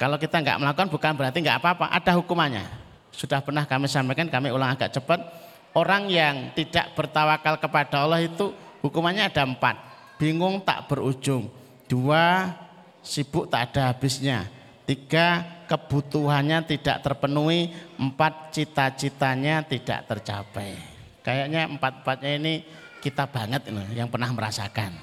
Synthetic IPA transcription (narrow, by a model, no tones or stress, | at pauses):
kalokit̪aŋɡa̰ʔməlakukanbukanbəɾant̪iŋɡaʔapaːpa̰ʔa̰d̥aɦukumaɲa̰ | sud̥ahpərnahkamisampekankamiulaŋaɡaʔt͡ʃəpət̪̚ | oɾaŋjaŋt̪id̥a̰ʔb̥ərt̪awakalkəpad̥aulɔhit̪uhukumaɲaːdampa̰t̪̚ | b̥iŋʊŋt̪a̰ʔb̥əɾu̥d͡ʒʊŋ | d̥ua | sib̥ʊʔt̪aʔd̥aɦab̥ɪsɲa | t̪iɡ̥akəb̥ut̪uɦanɲat̪ida̰ʔt̪ərpənuiəmpat̪̚t͡ʃit̪at͡ʃit̪aɲat̪id̥a̰ʔt̪ərt͡ʃa̰pɛj | kajaʔɲaəmpat̪̚m̩pat̪̚ɲaini | kit̪ab̥a̤ŋət̪̚iljaŋpərnahməɾa̰sa̰kan